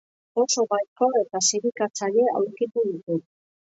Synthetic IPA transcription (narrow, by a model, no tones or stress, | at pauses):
o̞so̞βajko̞e̞t̪asiɾikat͡saʎe̞a̰wɾkit̪uðit̪u